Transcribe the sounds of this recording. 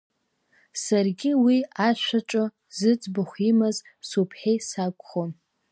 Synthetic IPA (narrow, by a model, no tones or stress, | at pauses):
sarɡʲɪwiaʃʷaʈ͡ʂʼo | zɨt͡sʼbɨχʷimaz | supʰħejsakʷʼχon